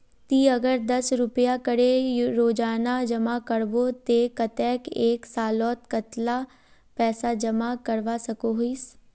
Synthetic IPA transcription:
t̪iːəɡəɾd̪əsɾʊpəjaːkəɽeɾoːd͡ʒaːnad͡ʒəmaːkəɽboːt̪ekət̪ɛːkeːksaːlɔːt̪kət̪laː | pɛːsaːd͡ʒəmakəɾʋaːsəkoɦiːs

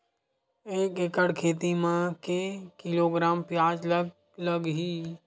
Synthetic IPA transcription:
eːkekəɽkʰeːt̪̬imãkekɪloːɡɾaːmpjaːd͡ʒlə | ləɡɦiː

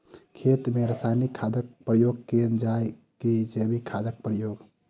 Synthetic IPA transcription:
kʰet̪meɾəsanikʰːad̪ək̚pɾəjoɡ̚kend͡ʒae | ked͡ʒebikʰad̪ək̚pɾəjoːɡ

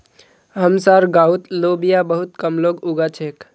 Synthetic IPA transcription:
ɦəmsaɾɡaut̪lobijabəɦut̪kəmloɡuɡat͡ʃʰek

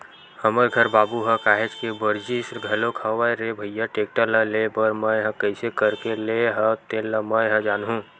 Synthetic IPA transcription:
həməɾɡʱəɾbaːbuɦəkaːɦet͡ʃkebəɾd͡ʒisɾɡʱɐlokʰəʋajɾebʱəjjaʈeːk̚ʈələlebəɾməɦə̃kəɪsekəɾkeleɦə̃t̪eləməɦə̃d͡ʒaːnɦũː

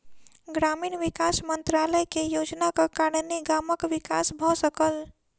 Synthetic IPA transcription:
ɡɾamiːnʋɪkasmənt̪ɾaləjkejoːd͡ʒnakakaɽneɡaməkʋɪka̰sbʱɔsəkəl

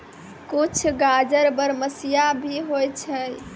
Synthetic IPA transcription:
kut͡ʃʰɡad͡ʒəɾbəɾməsijabʱiɦojt͡ʃʰə

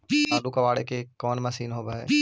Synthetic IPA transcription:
aːɗukɐʋaːɽekekɔːnmɐsiːnɦobaːɦḛː

